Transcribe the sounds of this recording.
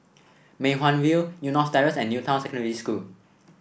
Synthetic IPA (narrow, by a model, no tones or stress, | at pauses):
mẽɦwãnwilnjunɔstaɹəsɛ̃nːjutʰãw̃nsɛkɔ̃ndəɹiskul